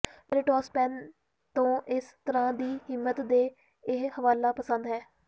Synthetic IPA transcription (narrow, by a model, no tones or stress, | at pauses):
pɾɪʈɔːspɛːn | t̪õːʔɪst̪əɾãːd̪iːhɪmːət̪d̪eː | ɪhəʋaːlaːpəsə̃nd̪ɦɛː